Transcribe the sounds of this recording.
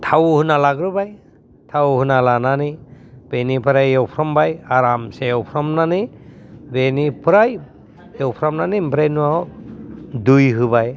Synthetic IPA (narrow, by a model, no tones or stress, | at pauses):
tʰawhɯnalaɡɾɯbaj | tʰawɦɯnalananib̥enipʰɯɾajewpʰɾɔmbajaɾamseewpʰɾɔmnanibenipʰɯɾaj | ewpʰɾɔmnanimbɾejnuaw | dujɦɯbaj